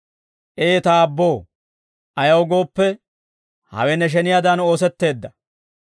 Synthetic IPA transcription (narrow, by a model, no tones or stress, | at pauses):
ʔeːt̪aːbːo̞ː | ʔɐjɐwɡo̞ːpːɛ | hɐ̰wɛnɛʃ̬ɛnɪjad̪ɐno̞ːs̬ɛt̪ːe̞ːd̪ːɐ